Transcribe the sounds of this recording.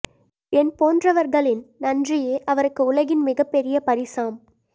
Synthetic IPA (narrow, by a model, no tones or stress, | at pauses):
ɛnpoːndrɐʋɐɾɣɐɭɪnnɐndrɪjeːʔɐʋɐɾɯkːɯʊlɐɣɪnmɪɣɐpːɛɾɪjɐpɐɾɪsaːm